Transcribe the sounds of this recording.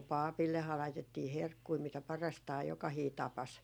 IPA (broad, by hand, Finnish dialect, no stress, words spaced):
pɑˑpilːehɑː lɑitetːiː herkːui mitæ pɑrɑstɑː jokɑhiː tɑpɑs